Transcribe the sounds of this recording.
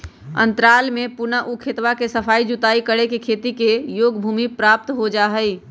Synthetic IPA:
ə̰̃nt̪ɾaːlmẽpʊnaʔukʰet̪ʋakesəpʰaːid͡ʒut̪aːikəɽekekʰeːt̪ikejoːɡbʱuːmipɾaːp̚t̪ɦod͡ʒaɦəi

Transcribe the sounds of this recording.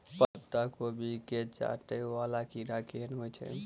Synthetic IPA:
pətt̪ːakobʱiket͡ʃa̰ʈəʋalakiɾakenɦojt͡ʃʰɛ̰

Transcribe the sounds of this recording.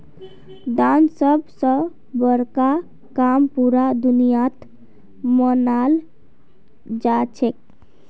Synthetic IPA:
d̪ansəbsə̃ | bəɾka | kampuɾad̪unijat̪ | mənal | d͡ʒat͡ʃʰek̚

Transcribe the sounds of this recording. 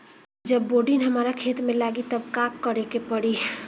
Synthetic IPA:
d͡ʒəbːoːɖinɦɐmaːɾakʰeːt̪mẽlaːɡit̪əbkaːkːəɾekepəɽi

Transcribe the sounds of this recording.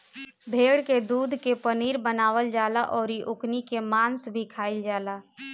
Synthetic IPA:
bʱeːɽked̪uːd̪ʱkepəniːɾbənaːʋəld͡ʒaːlaʔɔːɾiʔʊknikemaːnsbʱikʰaːɪld͡ʒaːlaː

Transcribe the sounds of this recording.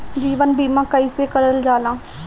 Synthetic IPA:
d͡ʒiːʋənbiːmãːkəiːseːkəɽəld͡ʒaːlãː

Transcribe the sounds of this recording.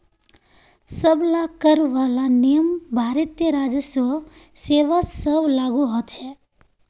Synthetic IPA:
səblakəɾʋalanijəmbʱaɾət̪jəɾad͡ʒəsʋəseʋasəblaɡuɦət̪t͡ʃʰe

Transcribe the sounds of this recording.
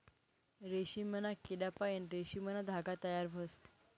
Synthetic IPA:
ɾeɕimənakiɖapajenɾeɕimənad̪ʱaɡat̪əjaɾbʱəs

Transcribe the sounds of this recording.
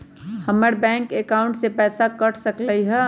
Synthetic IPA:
hɐməɾbɛ̃ːŋkekaːʊ̃ɳʈsepɛːsakɐʈʰsɐkləiɦɛ

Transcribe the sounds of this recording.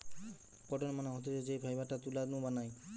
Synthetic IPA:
kɔʈɔnmanɔɦɔt̪id͡ʒed͡ʒejbʰʱajbaʈat̪ulanũbanaj

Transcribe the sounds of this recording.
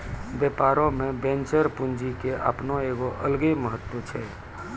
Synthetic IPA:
bjepaːɾõmẽbẽnt͡ʃəɾpund͡ʒikeʔə̰pnoeɡoʔəlɡeməɦət̪ːwət͡ʃʰɛ

